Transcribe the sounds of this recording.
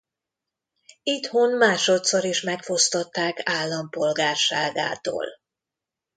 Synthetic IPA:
it̪ho̞nmaːʃo̞t̪soɾiʃmɛkfo̞st̪ot̪ːaːkaːlːɒmpo̞lɡaːrʃaːɡa̰ːt̪o̰ːl

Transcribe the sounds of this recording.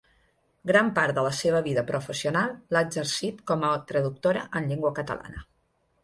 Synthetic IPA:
ɡɾampaɾd̪ələseβəβ̞iðəpɾʔufəsiunalˠːaəɡzəɾsit̪kɔmət̪ɾəðuk̚t̪oɾəʔənʎiŋɡwəkət̪ə̰la̰nə

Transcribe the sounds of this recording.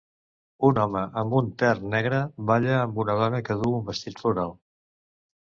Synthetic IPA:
unɔməʔəmbunt̪ɛrnɛɣɾəβaʎəːmbunəðɔnəkəðuumbəst̪it̪fluɾalˠ

